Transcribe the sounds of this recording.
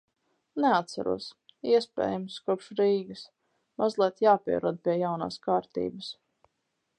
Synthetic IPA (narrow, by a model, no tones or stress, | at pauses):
nɛat̪sa̰ɾṵɔsiɛspɛ̰ːjamskuɔpʃɾiːɡəs | mazlˠiɛt̪jaːpʲiɛɾɔd̪̚pʲiɛjawna̰ːskaːɾt̪ḭːbəs